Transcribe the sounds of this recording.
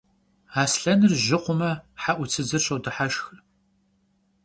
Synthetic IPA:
aːsɬɐnɨrʒɪqʷʊmɐħaʔʷʊt͡sʰɨzɨrɕɐwdɨħaʃx

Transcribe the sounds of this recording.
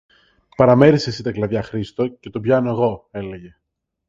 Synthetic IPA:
pɐɾɐme̞ɾise̞sit̪ɐklɐðʝɐxɾist̪o̞ce̞t̪obʝɐno̞e̞ɣo̞e̞le̞ʝe

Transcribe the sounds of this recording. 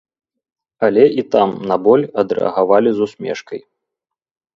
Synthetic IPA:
ɐlʲɛʔit̪amnɐbɔlʲɐd̪ɾɛ̰ɐ̰ɣavalʲizusʲmʲɛ̰ʂkɐj

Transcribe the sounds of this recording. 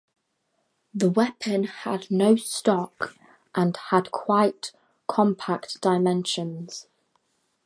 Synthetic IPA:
ðəwɛpʰə̃nədⁿnəʊstɒk | ʔə̃nədkʰw̥aɪʔ | kʰɒ̃mpʰak̚d̥aɪmɛ̃nʃə̃nz̥

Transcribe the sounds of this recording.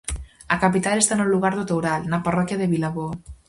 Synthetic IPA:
akapit̪alest̪anolːuɣaɾðot̪owɾalnaparɔkjaðeβilaβo

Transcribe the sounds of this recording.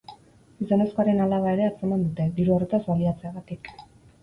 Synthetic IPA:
izo̞ne̞skoaɾe̞nalaβae̞ɾe̞at͡semand̪ut̪e̞d̪iɾuarut̪azβaliat͡se̞aɣat̪ik

